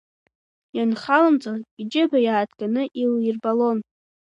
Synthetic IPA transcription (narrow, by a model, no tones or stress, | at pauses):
janχalamt͡sʼaid͡ʒɪbajaːtʰɡʼanɨʔilirbalo̞n